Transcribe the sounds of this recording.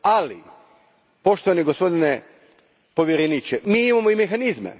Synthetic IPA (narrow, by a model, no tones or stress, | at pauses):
alḭ | po̞ʃt̪oʋaniɡo̞spo̞d̪ine | po̞ʋʲjeɾenit͡ɕemiːimamoimexanizmḛ